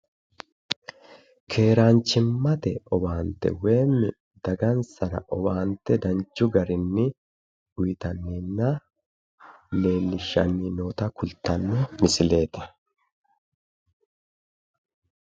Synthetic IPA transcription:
kʰe̞ːɾaːnt͡ʃɪmːɐt̪ɛɔbaːnt̪ɛ̰we̞ːmːɪ | d̪̥ɐɡɐnsɐnɐ̰ʔɔbaːnt̪ɛd̪ɐnt͡ʃːʊɡɐɾɪnːɪ | ʊjɪt̪ɐnːinːɐ | ne̞ːnːɪʃɐ̰nːinoːt̪ɐkʊlt̪ɐnːʊmɪsɪle̞ːt̪ɐ̥

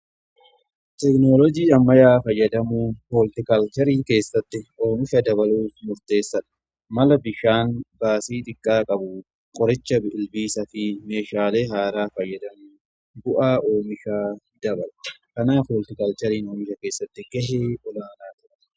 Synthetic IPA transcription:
t̪ɛknoːlɔd͡ʒiːɐmːɐjaːfɐjːɐd̪ɐmuːhoːlt̪ɪkɐlt̪ɛɾiːŋke̞ːsːɐt̪ːɪo̞ːmɪʃɐd̪ɐbɐluːfmʊɾt̪e̞ːsːɐᶑɐ̥ | mɐlɐbɪʃaːnbaːsiːᶑ̪ʼɪkʼːaːkʼɐbʊ | kʼɔɾɪt͡ʃːɐbɪɪlbiːsɐfɪme̞ːʃaːle̞ːɦaːɾaːfɐjːɐd̪ɐmuː | bʊʔaːʔoːmɪʃaː | d̪̥ɐbɐlkɐnaːfoːlt̪ɪkɐlt̪ɛɾiːno̞ːmɪʃɐke̞ːsːɐt̪ːɪɡɛɦeːɔlaːnaːt̪ʊɾ

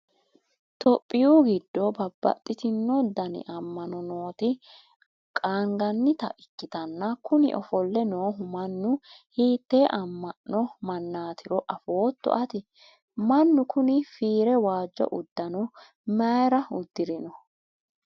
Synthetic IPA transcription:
t̪ɔpʼːɪjuːɡɪd̪ːobɐbːɐ̰t̪ʼːɪt̪ɪnːɔd̪ɐnɪ̰ʔɐmːɐnɔnoːt̪ɪ | kʼaːŋɡɐnːɪt̪ɐ̰ʔɪkːɪt̪ɐnːɐkʊnɪ̰ʔɔfɔlːɛnoːɦʊmɐnːʊhiːt̪ːe̞ːʔɐmːɐnːɔmɐnːaːt̪ʰɪɾɔʔɐfoːt̪ːɔ̰ʔɐt̪ɪ | mɐnːʊkʊnɪfiːɾɛwaːd͡ʒːɔ̰ʔʊd̪ːɐnɔ | mɐɾɐʊd̪ːɪɾɪnɔ

